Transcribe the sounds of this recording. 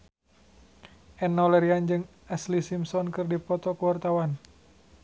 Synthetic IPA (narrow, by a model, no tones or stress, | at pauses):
ʔɛnːɔlɛɾiand͡ʒɨŋ | ɛslisimsɔnkɨrdipɔt̪ɔkəwart̪awan